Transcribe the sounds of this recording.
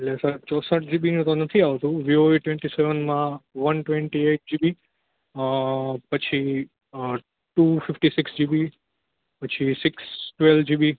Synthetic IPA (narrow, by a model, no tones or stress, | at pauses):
ellesəɾt͡ʃɔsəʈ̚ʰd͡ʒibinũt̪onət̪ʰiaʋt̪ũʋioeʈʋẽɳʈiseʋənmãʋənʈʋeɳʈieʈ̚d͡ʒibi | pət͡ʃʰi | ʈufɪfʈisɪksd͡ʒibi | pət͡ʃʰisɪksʈʋeld͡ʒibi